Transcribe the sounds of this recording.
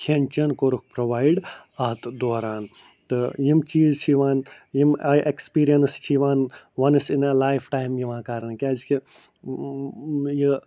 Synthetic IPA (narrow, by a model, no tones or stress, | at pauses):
kʰent͡ʃɐnkoɾuk̚ʰpɾoʋaːjɖɐt̪d̪oːɾaːn | t̪ɨjimt͡ʃiːzt͡ʃʰiʋaːn | jimajʔekspiːɾijɐnst͡ʃʰiʋaːn | ʋɐnɨsinelaːjpʰʈaːjmjiʋãkaɾnkʲad͡ʒki | ji